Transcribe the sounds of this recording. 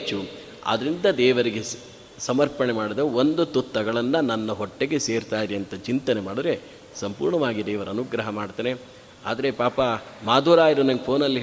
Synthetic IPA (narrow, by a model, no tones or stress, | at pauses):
t͡ʃːu | a̰d̪ɐɾind̪ɐd̪ɛːʋɐɾiɡe | sɐmɐɾpɐɳemaːɽid̪ɐond̪ut̪ut̪ːɐɡɐɭɐnːɐnɐnːɐɦɔʈːeɡeseːɾt̪aːjiɾiɐnt̪ɐt͡ʃint̪ɐnemaːɽid̪ɾe | sɐmpṵːɾɳɐʋaːɡid̪ɛːʋɐɾɐnuɡɾɐɦɐmaːɽt̪ɐːne | a̰ːd̪ɐɾe̞paːpɐmaːd̪ʱuːɾaːjiɾunɐŋɡepʰoːnɐlːi